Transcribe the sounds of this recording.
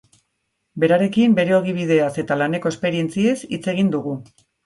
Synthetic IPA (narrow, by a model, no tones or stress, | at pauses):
be̞ɾaɾe̞kimbe̞ɾe̞o̞ɣ̞iβ̞ið̞e̞ase̞t̪alane̞ko̞e̞spe̞ɾie̞nt͡sie̞sit͡se̞ɣ̞ind̪uɣ̞u